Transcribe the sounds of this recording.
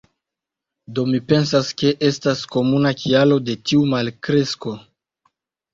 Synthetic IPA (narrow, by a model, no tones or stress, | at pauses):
do̞mipe̞nsaske̞ʔe̞stasko̞munakialo̞de̞tiumalkɾe̞sko̞